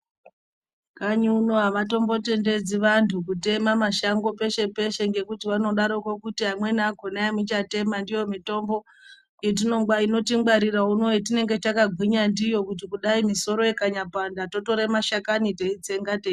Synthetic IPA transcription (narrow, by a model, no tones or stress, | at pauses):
kaɲuunoɦaʋato̞mbo̞te̞nde̞d͡ziʋantʰukute̞mamaʃaŋɡo̞pe̞ʃe̞pe̞ʃe̞ŋɡe̞kutiʋano̞ɗaɾokokutiɦamwe̞naɡʱonaamit͡ʃate̞mandijo̞mito̞mbo̞ | jet̬ino̞ŋɡwaino̞tiŋɡ͡baɾirauno̞itine̞ŋɡe̞t͡ʃakaɡʱwiɲandijo̞kut̬ikuɗaimiso̞ɾo̞jekaɲapandato̞to̞ɾemaʃakaniteid͡ze̞ŋɡate